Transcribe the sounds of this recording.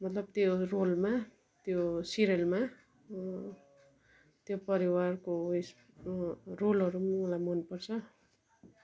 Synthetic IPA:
mʌt̪lʌb̚t̪jorolma | t̪josiɾelma | t̪jopʌɾiwarkoes | rolʌɾumulajmʌnpʌrt͡sʰʌ

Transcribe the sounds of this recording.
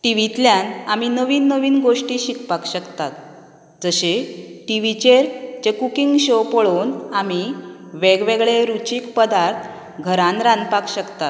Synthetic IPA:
ʈiʋit̪ljanaminəʋiːnːəʋiːnɡoʂʈiɕikpakɕəkt̪at̪̚ | d͡zəɕeʈiʋit͡ɕeɾt͡ɕekukiŋɡɕopoɭonamiʋeɡʋeɡɭeɾut͡ɕiːkpəd̪aɾt̪ʰ | ɡʱəɾanɾanpakɕəkt̪at̪

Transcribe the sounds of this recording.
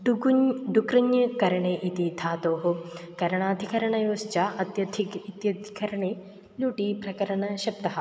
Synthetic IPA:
ɖɖukɾɐɲjɐkɐɾɐɳeːʔit̪id̪ʱaːt̪oːɦukɐɾɐɳaːd̪ʱikɐɾɐɳɐjoːst͡ʃaːʔɐt̪jɐd̪ʱiit̪jɐd̪ʱikɐɾɐɳeː | luːʈipɾɐkɐɾɐɳɐʃɐp̚t̪ɐɦɐ̆

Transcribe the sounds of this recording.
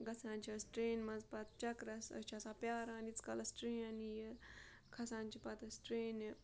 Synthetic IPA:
ɡɐt͡sʰaːnt͡ʃʰiɐsʈɾeːnmɐnzpɐt̪t͡ʃɐkɾɐsɐ̰t͡ʃʰɐsaːpʲjaːɾãːnit͡skɐlɐsʈɾeːɐnije | kʰɐsãːnt͡ʃʰipɐt̪ɐsʈɾeːn

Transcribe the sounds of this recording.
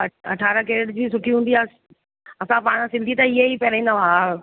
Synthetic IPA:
ɐʈʰaːɾəkeːɽd͡ʑiːsʊʈʰiɦũːnd̪iaː | ɐsãpaːɽ̃ãsɪ̃nd̪ʱit̪ɐɪɦeipɐɾĩːnd̪aʋa

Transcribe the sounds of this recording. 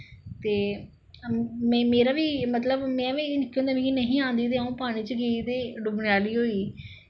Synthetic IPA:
t̪eː | mɛ̃ːmeːɾaːʋiːmət̪ləbmɛ̃ːʋẽːnɪkʰːeõnd̪aːmẽːinəɦĩːãːnd̪iːt̪̬eːaũːpaːɽ̃ĩːt͡ʃəɡeit̪eːɖʊbɳjaːliːɦoːiː

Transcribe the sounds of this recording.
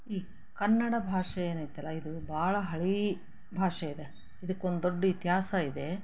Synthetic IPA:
iː | kɐnːɐɽɐbʱaːʂɐjeːnaːjt̪ːɐlːɐid̪ubʱaːɭɐɦɐɭi | bʱaːʂɐid̪e | id̪ɐkːo̞nd̪d̪oɖːɐit̪iɦaːsɐid̪e̞

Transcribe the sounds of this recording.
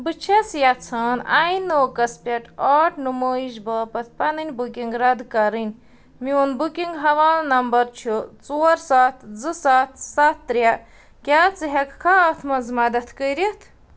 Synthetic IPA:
bɨt͡ʃʰɐt͡sjat͡sʰaːnaːinːoːkɐspʲɐʈaːʈnumoːizbɐːpɐt̪̚ʰpɐnɨnʲbukʲiŋɡɾɐd̪kɐɾɨnʲ | miunbukʲiŋɡɦɐʋaːlnɐmbɐɾt͡ʃʰut͡soːɾsaːt̪ʰd͡zɨsat̪ʰsat̪ːɾʲja | kʲaːt͡sɨɦɐkkʰaɐt̪ʰmɐzmɐd̪ɐt̪ʰkəɾit̪ʰ

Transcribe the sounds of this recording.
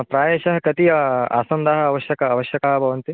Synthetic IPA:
pɾaːjeːʃɐɦɐkɐt̪iɐa̰ːsɐnd̪aːɦɐɐʋɐʃjɐkɐːʋɐʃjɐkɐɦɐbʱɐʋɐnt̪i

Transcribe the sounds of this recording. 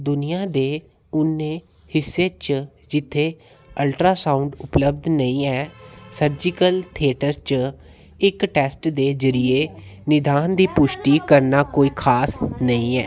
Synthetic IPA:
d̪ʊnɪjãːd̪eː | ʊnẽː | hɪsːeːt͡ʃ | d͡ʒɪt̪ʰːeː | əlʈɾaːsaːʊɳɖʊpləb̚d̪nəĩːɛːsəɾd͡ʒɪkəlt̪ʰieːʈəɾt͡ʃ | ɪkʈɛːsʈd̪eːzəɾɪeːnɪd̪aːnd̪iːpʊʃʈiːkəɾnaːkoːiːkʰaːsnəĩːɛː

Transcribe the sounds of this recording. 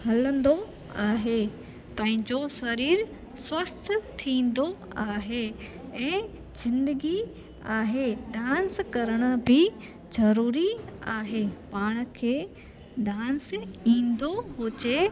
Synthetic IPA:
hɐlə̃nd̪o | aːɦe | pɐ̃ɦɪ̃ɲd͡ʑosɐɾiːɾ | swɐst̪ʰt̪ʰĩːn̆d̪o | aːɦeɛ̃ː | z̥ɪ̃nd̪əɡi | aːɦeɖãːnskɐɾəɽ̃ə̆bɪ | zɐɾuːɾiaːɦepaːɽ̃̆kʰeː | ɖãːnsĩːn̆d̪oɦoːt͡ɕe

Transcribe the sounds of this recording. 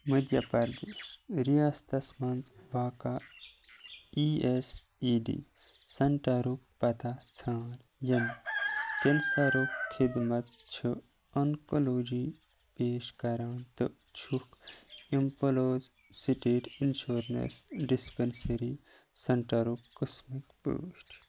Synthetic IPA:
məd̪ʱjɐpɐɾd̪eːʃɾiast̪ɐsmɐnt͡sʋaːka | ies | iɖḭ | sɐɳʈaɾukpɐt̪at͡sʰãːn | jɐm | kensaɾokkʰːid̪mɐt̪̚t͡ʃʰu | ɐŋkoloːd͡ʒi | peːʃkɐɾaːnt̪ɨ | t͡ʃʰukimpoloːz | siʈeːʈinʃuːɾnḛsɖispensɐɾi | sɐɳʈaɾukːəsmikpṵːʃʈʰ

